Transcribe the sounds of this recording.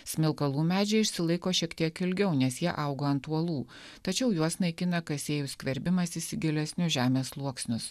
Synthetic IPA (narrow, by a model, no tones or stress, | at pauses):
sʲmʲɪlˠkɐlˠuːmʲæːd͡ʒʲɛɪɪʃʲsʲɪlˠɐɪkoːʃʲiɛkt̪ʲiɛkɪlʲɡʲɛʊnʲɛsjiɛʔɐʊɡoːɐnt̪uɔlˠuː | t̪ɐt͡ʃʲɛʊjuɔsnɐɪkʲɪnɐkɐsʲeːjʊsʲkʲʋʲɛɾʲbʲɪmɐsɪsʲɪɡʲɪlʲɛsʲnʲʊʒʲæːmʲeːslˠuɔksʲnʲʊs